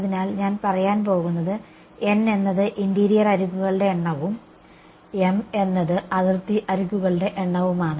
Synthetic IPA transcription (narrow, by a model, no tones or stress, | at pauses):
ðinaːlɲaːnpɐrɐjaːnp̬o̞ːɣunːɐðɨ | e̞nːe̞nːɐðɨʔindiːɾijɐrɐɾukːuɣɐɭɨɽe̞ːɳːɐʋum | eme̞nːɐðɨʔɐðirt̪iʔɐɾuɣːuɣɐɭɨɽe̞ʔeɳːɐʋumaːɳɨ